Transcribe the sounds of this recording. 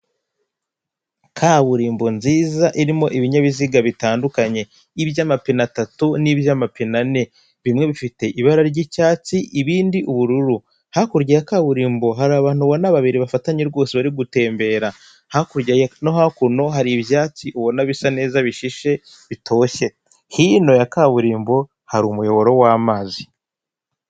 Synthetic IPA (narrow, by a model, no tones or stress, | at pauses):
kʰaːβuɾiːmbo̞nziːzaʔiɾimo̞ʔiβiɲaβiziɡaβitaːndukaɲe̞ | iβjamapinatatuniβjamapinane̞ | βimŋe̞βifite̞ʔiβaɾaɾɟicaːt͡siʔiβiːndiʔuβuɾuɾu | hakuɾɟajakaβuɾiːmbo̞ɦaɾaβaːn̥huβo̞naβaβiɾiβafataɲeɾɡo̞ːseβaɾiɡute̞ːmbe̞ɾa | hakuɾɟajno̞ɦakuno̞ɦaɾiβjaːt͡siʔuβo̞naβisane̞ːzaβiʃiʃe̞ | βitʰo̞ːçe̞ | hiːno̞jakaβuɾiːmbo̞ | haɾumujo̞βo̞ɾo̞waːmaːzi